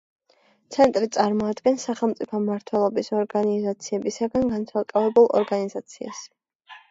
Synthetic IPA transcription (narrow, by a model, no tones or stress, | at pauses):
t̪sʰɛnt̪ʼɾit̪sʼaɾmɔad̪ɡɛnsaχɛlˠmt̪sʼipʰɔmːaɾt̪ʰwɛlˠɔbisɔɾɡanizat̪sʰiɛbisaɡanɡansalkʼavɛbulˠɔ̰ɾɡanizat̪sʰia̰s